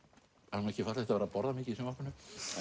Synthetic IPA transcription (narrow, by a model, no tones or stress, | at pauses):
aɾmanɛhcɪfat̪lɛt̪avɛɾapɔɾðamɪːcɪisʏmapʏnʏ